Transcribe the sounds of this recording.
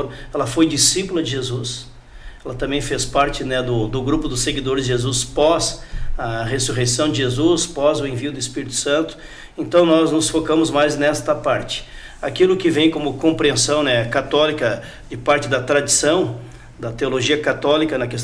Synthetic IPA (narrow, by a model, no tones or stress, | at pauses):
ɾɛlɐfojd͡ʒisipulɐd͡ʒɪʒezus | ɛlɐt̪ɐ̃mbẽj̃fespaɾt͡ʃɪnɛd̪ʊd̪ʊɡɾupʊd̪ʊseɡid̪oɾɪzʒezuspɔzɐhesuɦesɐ̃w̃dd͡ʒɪʒezuspɔzʊẽviʊd̪ʊɪspiɾit̪ʊ̥sɐ̃nt̪ʊ̥ | ẽnt̪ɐ̃w̃nɔznʊsfokɐ̃mʊzmajznɛst̪ɐpaɾt͡ʃɪ̥ | akilʊkɪvẽj̃kõmʊkõmpɾiẽsɐ̃w̃nɛkat̪ɔlikɐ | d͡ʒɪpaɾt͡ʃɪd̪ɐt̪ɾad͡ʒisɐ̃w̃ | d̪ɐt̪eoloʒiɐkat̪ɔlikɐnɐkes